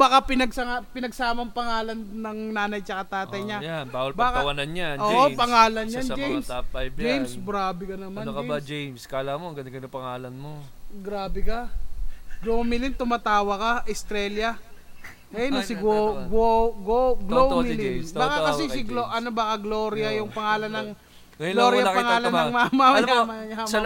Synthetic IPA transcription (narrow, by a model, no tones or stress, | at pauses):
bakapɪnɐɡsɐŋapɪnɐɡ̚saːmɐŋpɐŋaːlɐnnɐŋnaːnɐjt͡ʃɐkat̪aːt̪ɐjɲajanbaːwɐlbaːkawɐnɐnɲaʔoʔopɐŋaːlɐnjansd͡ʒjmsapjd͡ʒejmsbɾaːbɛkɐnɐmankɐbad͡ʒɛjmskalamoɐŋɡɐd̪ɡɐnɐpɐŋaːlɐnmoɡɾaːbɛkɐ | ɡlomɪlɪnt̪ʊmat̪aːwɐkɐʔɪst̪ɾɛljɐ | ʔɛnɐsɪɡoɡoɡoɡlomɪlinbaːkakɐsɛsɪloʔɐnobaːkɐɡloːɾɪjɐjʊŋpɐŋaːlɐnːɐŋ | lloɾjɐpɐŋaːlɐnɐŋmaːmɐamɐɐɲɐs